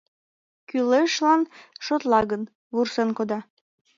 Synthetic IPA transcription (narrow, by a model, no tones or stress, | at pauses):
kyleʃlɑnʃot̪lɑɣən | βursenkod̪ɑ